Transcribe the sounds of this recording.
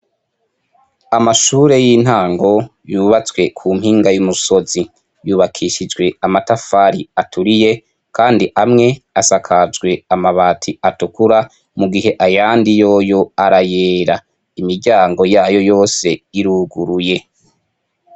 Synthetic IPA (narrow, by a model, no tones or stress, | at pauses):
amaʃuːɾe̞jiːn̥haːŋɡo̞juːβat͡swe̞kʰuːm̥hiːŋɡajumuso̞zi | juːβakʰiʃid͡ʒɡwe̞amatafaɾiatʰuɾije̞ | kʰaːndiʔamŋe̞asakʰad͡ʒɡwe̞amaβaːtʰiatukuɾa | muɡiɦe̞ʔajaːndijo̞ːjo̞aɾajeːɾa | imiɾɟaːŋɡo̞jaːjo̞jo̞ːse̞iɾuːɡuɾuje̞